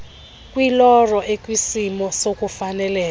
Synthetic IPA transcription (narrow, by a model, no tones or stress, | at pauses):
kʼwilɔrɔʔekʼwisimɔsokʼufanɛlɛː